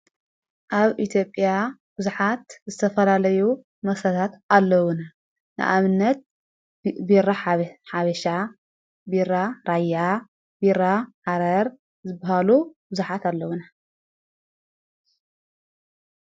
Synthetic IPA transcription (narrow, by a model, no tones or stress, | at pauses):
ʔaβʔit̪ʰjo̞pʼjabɨzuħat̪zɨt̪ʰɐfɐlalɐju | mɐsɾɐt̪ʰat̪alːɐwuna | nɨ̰ʔaβɨnːɐt̪̚ | biraħaβɐʃa | biraɾajːa | biɾahaɾɐɾ | zɨbːahalubɨzuħat̪alːɐwuna